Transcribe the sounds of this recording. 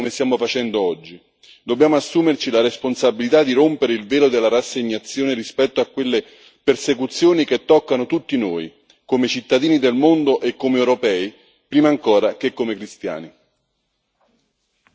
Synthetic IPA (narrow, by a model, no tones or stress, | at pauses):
omest̪jaːmofat͡ʃɛnd̪oɔd͡ʒːi | d̪obːjaːmoasːuːmert͡ʃilaɾesponsabilit̪ad̪ːiɾompeɾeilveːlod̪elːaɾasːeɲːat̪sːjoːneɾispɛt̪ːoakːwelːe | persekut̪sːjoːnik̟et̪ːɔkːanot̪ut̪ːinoːj | komet͡ʃit̪ːad̪iːnid̪elmond̪oʔekːomeewɾopɛːi | pɾiːmaːŋkoːɾak̟ekːomekɾist̪ja̰ːni